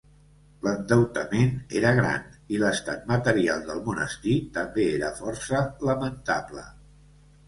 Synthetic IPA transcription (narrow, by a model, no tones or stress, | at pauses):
lənd̪əwt̪əmenḛɾəɣɾa̰niləst̪a̰t̪̚mət̪əɾialˠd̪əlˠmunə̰st̪it̪əmbeeɾəfɔrsələmənt̪aplə̰